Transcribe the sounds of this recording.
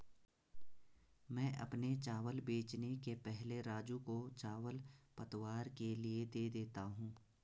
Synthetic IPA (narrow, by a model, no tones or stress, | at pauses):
mɛ̃ːʔɐ̰pnet͡ʃaːʋəlbeːt͡ʃnekepɛɦleɾaːd͡ʒũkot͡ʃaːʋəlpɐt̪ʋaːɾkelied̪eːd̪eːt̪aɦũː